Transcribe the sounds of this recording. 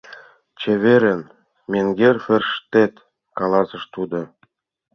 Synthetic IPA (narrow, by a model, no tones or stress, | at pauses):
t͡ɕĕβeɾə̆n | meŋɡʲerferʃt̪et̪ | kɑlɑsə̆ʃt̪ud̪ŏ